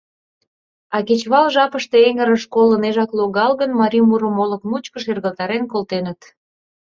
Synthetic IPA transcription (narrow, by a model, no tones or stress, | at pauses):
ɑket͡ɕβɑlʒɑpəʃt̪eeŋəɾəʃkoləneʒɑkloɣɑlɣənmɑɾʲimuɾəmolə̆kmut͡ɕkəʃerɣə̆lt̪ɑɾenkolt̪enət̪